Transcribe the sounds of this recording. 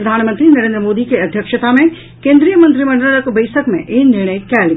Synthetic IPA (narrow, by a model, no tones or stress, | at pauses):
ɾd̪ʱaːnmə̃nt̪ɾinɐɾẽːnd̪ɾəmoːd̪ikeɐd̪ʱjəkʃət̪amẽ | kẽːnd̪ɾijəmɐ̃nt̪ɾimɐ̃ɳɖələkbɐɪsəkmḛ̃ʔɪnɪɾɽ̃əikaːl